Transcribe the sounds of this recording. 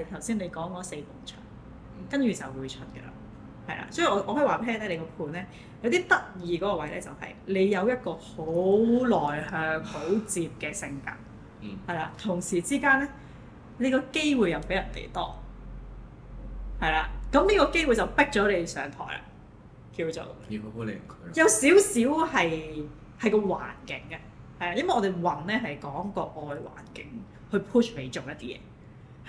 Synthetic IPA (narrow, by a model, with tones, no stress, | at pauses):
ɐ˨jt̪ʰɐ˨˩wsiː˥nle˨˧jkɔː˨˥ŋkɔː˨˥se˧jmʊ˨˩ŋt͡ʃʰœ̰ː˨˩ŋ | kɐ˥nt͡ʃyː˨t͡sɐ̰˨wwuː˨˧jt͡ʃʰɵ˥t̚kə̰˧la̰ː˨ | hɐ˨jla̰ː˧sɔː˨˥ji˨˩ɔː˧ʔɔː˧hɔː˧˥˨waː˨pʰɛː˥ɛː˥le˨˧kɔː˧pʰuː˨˩nlɛː˥ | jɐ˧wt̪̬iː˥t̪ɐ˥k̚jiː˨˧k̬ɔː˨˥kɔː˧wɐ˨˥jlɛ̰ː˥t͡sɐ̰˨whɐ̰˨jle˨˧jjɐ˨˧wjɐ˥t̚kɔː˧ho˨˥lɔː˨˩jhœː˧ŋho˨˥wt͡siː˧p̚kɛː˧sɪ˧ŋka̰ː˧˥k̚ | hɐ˨jlaː˧t̪ʰʊ˨˩ŋsiː˨˩t͡siː˥kaː˥nɛː˥ | le˨˧jkɔː˧ke˥jwuː˨˧jɐ˨˧wpe˨˥jɐ˨˩nt̪ḛ˨jt̪ɔː˥ | hɐ˨jlaː˨˧kɐ˨˥mliː˥kɔː˧ke˥jwu˨˧jt͡sɐ˨wpɪ˥k̚t͡sɔː˨˥le˨˧sœ̰ː˨˧ŋt̪ʰɔ̰ː˨˩jla̰˨ | ki˧wt͡so̰˨˩wo˨˥le˨jm˨˩kʰjɐ˨˧wsiː˨˥wsiː˨˥whɐ˨j | hɐ˨˩jkɔː˧wa̰ː˨˩nkɪ˨˥ŋa˧ | hɐ˨jlaː˨˧jɐ˥mwɐ˨jʔɔː˧te˨jwɐ˨˩ŋnɛː˥ɦɐ˨jkɔː˨˥ŋkɔː˧ʔɔː˨˧jwa̰ː˨˩nkɪ˨˥ŋ | hɵ˧ɥpʰuː˥t͡ʃme˨˧jt͡so˨wjɐ˥t̚t̪iː˥jɛ̰ː˧˦